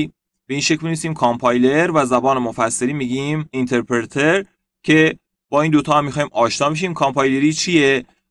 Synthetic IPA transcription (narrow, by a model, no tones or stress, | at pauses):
b̥e̞iːnʃe̞cʰlmnisiːmkʰɑmpʰɑːjle̞ɾvæzæbɒːnemofæsːeliːmiːɡimint̪ʰe̞ɾpʰeɾet̪ʰe̞ɾ | cʰe̞ | b̥ɒːiːnd̪ot̪ʰɒːhæmːixɒːimʔɒːʃnɒːbe̞ʃ̬iːmkʰɑmpʰɑːjle̞ɾiːt͡ʃʰije̞